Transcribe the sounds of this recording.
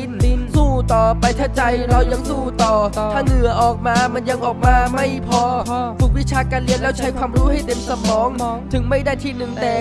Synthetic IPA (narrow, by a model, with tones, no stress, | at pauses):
n˧suː˧˥˩t̪ɔː˨˩pa˧jt̪ʰaː˥˩t͡ɕa˧jɾɔː˧wja˧ŋsuː˧˩t̪ɔː˨˩aː˥˩ŋɯ˨˩˦əʔɔː˨˩k̚maː˧ma˧nja˧ŋʔɔː˨˩k̚maː˧ma˥˩jpʰɔː˧fu˨˩k̚wi˦˥t͡ɕʰaː˧kaː˧nli˧ənlɛː˦˥wt͡ɕʰa˦˥jkʰwaː˧mɾuː˦˥ha˥˩jt̪e˧msa˧mʰɔː˨˦˥ŋt̪ʰɯ˨˩˦ŋma˥˩jdaː˥˩jt̪ʰiː˥˩nɯ˨˩ŋt̪ɛː˨˩